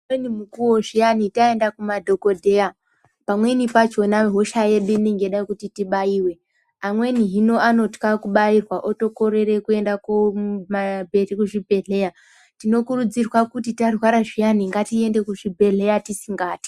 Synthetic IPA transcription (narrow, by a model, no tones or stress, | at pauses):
enimukuwoʐijanitae̞ndakumadʱo̞ko̞dʱe̞ja | pamwe̞nipat͡ʃo̞naɦoʃaje̞ɗuine̞ŋɡe̞ɗakutitiɓaiːwe̞ | amwe̞niɦino̞ʔano̞tkakuɓairwaʔoto̞ko̞ɾe̞re̞kue̞ndakoumabʱe̞tikuʐibʱe̞ɮe̞ja | tino̞kurud͡zirwakutitarwaɾaʐijaniŋɡatie̞nde̞kuʐibʱe̞ɮe̞jatisiŋɡaːti̥